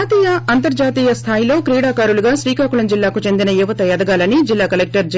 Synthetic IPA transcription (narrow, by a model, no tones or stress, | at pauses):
t̪iːjɐɐnt̪ɐɾd͡ʒaːt̪iːjɐst̪ʰaːjilo̞ːkɾiːɽaːkaːɾuluɡaːʃɾiːkaːkuɭɐmd͡ʒilːaːkut͡ʃe̞nd̪inɐjuʋɐt̪ɐjɐd̪ɐɡaːlɐnid͡ʒilːaːkɐlek̚ʈɐɾd͡ʒ